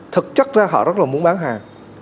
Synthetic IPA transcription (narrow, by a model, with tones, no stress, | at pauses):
t̪ʰɨ˨˩k̚t͡ɕa˦˥k̚zaː˧ɦɔ̰˧˨zə˦˥t̚laː˨˩mu˨˦ənɓaː˨˦nɦaː˨˩ŋ